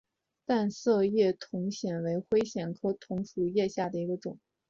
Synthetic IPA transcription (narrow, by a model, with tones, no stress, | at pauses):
t̪a˥˧nsɤ˥˧jɛ˥˩t̪ʰʊ˧˥ŋɕjɛ˨˩nwe˧˥ɪxwe˥ɪɕjɛ˨˩nkʰɤ˥t̪ʰʊ˧˥ŋfu˨˩jɛ˥˧ɕja˥˩d̪ə˩i˧˥ɡə˧ʈ͡ʂʊ˨˩˦ŋ